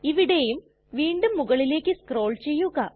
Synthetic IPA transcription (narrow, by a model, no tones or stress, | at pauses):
iʋiɽe̞jum | ʋiːɳɖumːuɣɐɭile̞ːkʲːɨskro̞ːɭt͡ɕe̞jːuɣɐ